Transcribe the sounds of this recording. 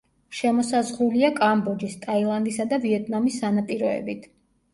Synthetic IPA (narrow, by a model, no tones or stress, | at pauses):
ʃɛmɔsazʁuliakʼambɔd͡ʒist̪ʼailˠand̪isad̪aviɛt̪ʼnamisːanapʼiɾɔɛ̰bit̪ʰ